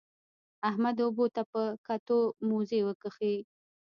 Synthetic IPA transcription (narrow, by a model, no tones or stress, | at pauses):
ahmad̪obot̪apəkat̪omozewəkəxi